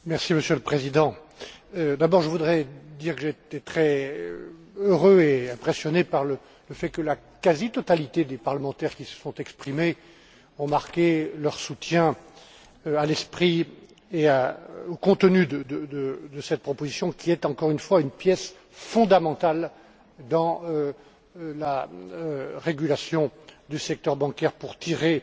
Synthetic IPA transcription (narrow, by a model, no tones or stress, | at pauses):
mɛʁsiməsjøləpχezid̪ɑ̃ | d̪abɔʁʒəvud̪ʁɛd̪iʁkəʒet̪ɛt̪χɛ | øʁøeɛ̃pχesjɔnepaʁlə | ləfɛkəla | kazit̪ɔt̪alit̪ed̪epaʁləmɑ̃t̪ɛʁkʲisə̥sɔ̃t̪ɛkspχime | ɔ̃maʁkʲelœʁsut̪jɛ̃ | alɛspχi | eaokɔ̃t̪ənyd̪əd̪əd̪əd̪əsɛt̪̚pχɔpozisjɔ̃kʲiɛt̪ɑ̃kɔʁynfwaynpjɛs | fɔ̃d̪amɑ̃t̪al | d̪ɑ̃ø | la | ʁeɡʲylasjɔ̃d̪ysɛk̚t̪œʁbɑ̃kɛʁpuʁt̪iʁe